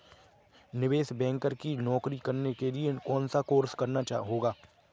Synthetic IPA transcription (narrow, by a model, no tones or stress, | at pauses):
nɪʋeːsbɛ̃ːŋkəɾkinɔːkɾikɐɾnekeliekɔːnsakoːɾskɐɾnat͡ʃːɦoːɡaː